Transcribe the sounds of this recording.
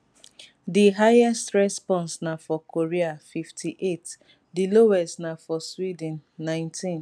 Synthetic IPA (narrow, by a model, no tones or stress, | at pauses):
diɦajɛstɹɛspɔ̃nsnafɔkʰoɹiafiftʰiʔet | diloɛstnafɔswid̃nːãɪ̃ntʰĩn